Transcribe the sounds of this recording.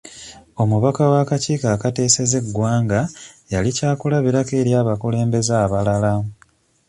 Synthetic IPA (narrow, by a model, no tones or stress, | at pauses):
o̞muβakawakaciːkaːkate̞ːse̞ze̞ɡwaːŋɡajalicaːkulaβiɾake̞ːɾjaːβakule̞ːmbe̞zaːβalala